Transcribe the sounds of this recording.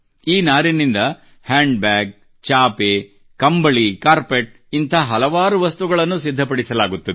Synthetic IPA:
iːnaːɾinind̪ɐ | haːɳɖbaːɡ̚ | t͡ʃaːpe | kɐmbɐɭikaːɾpeʈ̚ | int̪ʰɐɦɐlɐʋaːɾuʋɐst̪uɡɐɭɐnːusid̪ʱːɐpɐɽisɐlaːɡut̪ːɐd̪

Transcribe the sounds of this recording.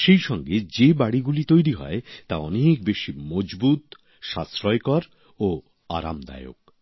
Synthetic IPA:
ʃejʃɔŋɡed͡ʑebaɽiɡulit̪ojɾiɦɔ̰et̪aɔnek̚beʃimod͡ʑbut̪ | ʃasɾɔekɔɾ | o | a̰ɾa̰md̪a̰eo̰k̚

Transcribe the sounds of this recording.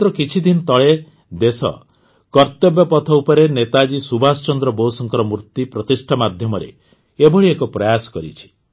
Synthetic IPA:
t̪ɾɔkit͡ʃʰid̪inɔt̪ɔɭe | d̪esɔ̰ | kɔɾt̪ɔbjɔpɔt̪ʰɔupɔɾenet̪ad͡ʒisubʱasɔt͡ʃɔnd̪ɾɔbowsɔŋkɔɾɔmuɾt̪ipɾɔt̪isʈʰamad̪ʱjɔmɔɾḛ | ebɔɭiekɔpɾɔjasɔ̥kɔɾḭt͡ʃʰi̥

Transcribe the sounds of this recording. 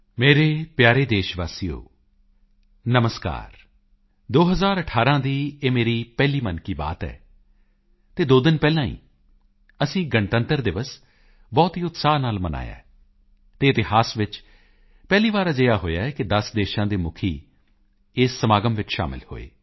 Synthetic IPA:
meːɾeːpjaːɾeːd̪eːʃʋaːsijo̰ː | nəməska̰ːɾ | d̪oːɦəzaːɾəʈʰaːɾãːd̪iːeːmeːɾiːpɛːliːmənkiːba̰ːt̪ɛ̰ː | t̪eːd̪oːd̪ɪnpɛːlãːḭː | əsĩːɡəɳʈ̪ə̃nt̪əɾd̪ɪʋəs | bɔːt̪ɦiːʊt̪saːnaːlməna̰ːja̰ːɛ | t̪eːt̪ɪhaːsʋɪt͡ʃ | pɛːliːʋaːɾaːd͡ʒəjaːɦoːjaːɛːkɪd̪əsd̪eːʃãːd̪iːmʊkʰiː | ɪːsːəmaːɡəmʋɪt͡ʃʃa̰ːmɪ̰lho̰ːḛː

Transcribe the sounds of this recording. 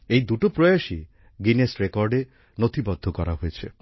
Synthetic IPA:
ejd̪uʈopɾɔjaʃi | ɡinesɾekɔɾɖe | not̪ʰibɔd̪ʱːokɔɾaɦojet͡ʃʰe

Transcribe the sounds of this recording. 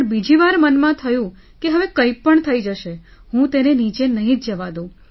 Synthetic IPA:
əɳbid͡ʒiʋaɾmənmãt̪ʰəjũ | keɦəʋekəipəɳt̪ʰəid͡ʒəʃehũt̪enenit͡ʃenəɦĩtd͡ʒəʋad̪ũ

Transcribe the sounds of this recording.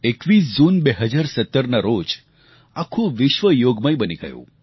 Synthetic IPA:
ekʋis̬d͡ʒunbeɦəd͡ʒaɾsət̪ːəɾnaɾod͡ʒ | akʰũʋɪʃʋəjoɡməjbəniɡə̰jṵ̃

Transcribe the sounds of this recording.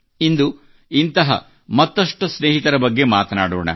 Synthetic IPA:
ind̪u | int̪ɐɦɐ̰ | mɐt̪ːɐʂʈusneːɦit̪ɐɾɐbɐɡːe̞maːt̪ɐnaːɽoːɳɐ̰

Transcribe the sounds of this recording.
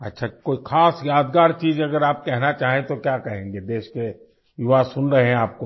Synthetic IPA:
ɐtːʃʰakoːixʰaːsjaːd̪ɡaːɾt͡ʃiːzɐɡəɾaːp̚kɛɦnat͡ʃaːɦẽt̪okjaːkɐɦẽːŋɡed̪eːʃke | jʊʋasʊnɾɐɦeɦɛ̃aːp̚ko

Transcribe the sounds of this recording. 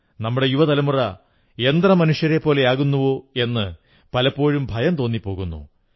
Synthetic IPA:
nɐmːuɽe̞juʋɐt̪ɐlɐmurɐ | e̞nd̪rɐmɐnuʂjɐɾe̞pːo̞ːle̞aːɣunːuʋo̞ːe̞nːɨ | pɐlɐpːo̞ːɻumbʱɐjɐmt̪o̞ːnːipːo̞ːɣunːṵ

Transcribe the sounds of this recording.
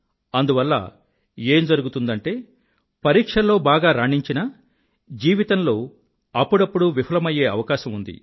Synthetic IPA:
ɐnd̪uʋɐlːɐ̰ | e̞ːmd͡ʒɐɾuɡut̪und̪ɐɳʈe̞ː | pɐɾiːkʂɐlo̞ːbaːɡaːɾaːɳiɲt͡ʃinɐ | d͡ʒiːʋit̪ɐnlo̞ː | ɐpːuɽɐpːuɽuʋipʰɐlɐmɐje̞ːɐʋɐkaːʃɐmund̪ḭ

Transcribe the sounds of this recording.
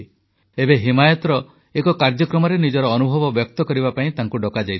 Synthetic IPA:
ebeɦimajɔt̪ɔɾɔ | ekɔkaɾd͡ʒɔkɾɔmɔɾenid͡ʒɔɾɔːnubʱɔbɔbjɔk̚t̪ɔkɔɾibapaĩt̪aŋkuɖɔkad͡ʒajt̪ʰi

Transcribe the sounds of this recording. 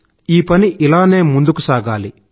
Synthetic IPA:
iːpɐniʔilaːne̞ːmund̪ukusaːɡaːli

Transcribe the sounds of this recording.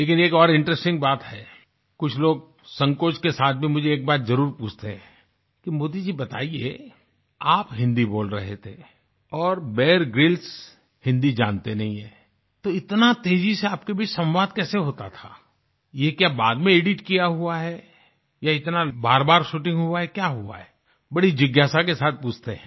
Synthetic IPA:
leːk̬ɪneːkɔːɾɪ̃ɳʈɾəsʈɪ̃ŋɡ̚baːt̪ɦɛː | kʊt͡ʃʰloːɡ̚ | sɐ̃ŋkoːt͡ʃkesaːt̪̚ʰbʱimʊd͡ʒʱeeːk̚baːt̪zɐɾuːɾpuːt͡ʃʰt̪eɦɛ̃ | kimoːd̪id͡ʒibɐt̪a̰ːiḛ | aːpɦɪ̃nd̪iboːlɾɐ̰ɦet̪ʰe | ɔːɾbɛːɾɡɾɪls | hɪ̃nd̪id͡ʒaːnt̪enɐɦĩɦɛ̃ː | t̪oɪt̪nat̪eːd͡ʒiseaːp̚kebʱit͡ʃsɐ̃mʋaːd̪kɛːseɦoːt̪at̪ʰaː | jekjaːbaːd̪mẽeːɖɪʈkijaɦuaɦɛ | jaɪt̪nabaːɾbaːɾʃuːʈɪ̃ŋɡɦuaɦɛkjaːɦua̰ɦɛ | bɐɽid͡ʒɪɡjaːsakesaːt̪̚ʰpuːt͡ʃʰt̪eɦɛ̰̃ː

